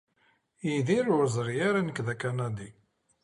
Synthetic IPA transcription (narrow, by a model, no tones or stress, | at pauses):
iðiɾʊɾzˤɾjaɾanəkðækːanæd̪i